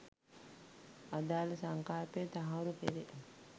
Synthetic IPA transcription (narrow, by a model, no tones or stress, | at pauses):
ad̪aːlɐsaŋkaːpeːt̪aɦawɾupeɾeʔ